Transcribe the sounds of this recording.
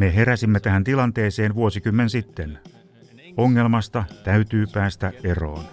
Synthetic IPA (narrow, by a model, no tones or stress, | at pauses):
meɦeɾæsimːet̪æhænt̪ilɑnt̪eːseːnʋuosikymːensit̪ːen | oŋːelmɑst̪ɑt̪æyt̪yːpæːst̪æʔʔero̰ːn